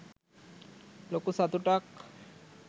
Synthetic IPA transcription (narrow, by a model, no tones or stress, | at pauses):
lokusat̪uʈak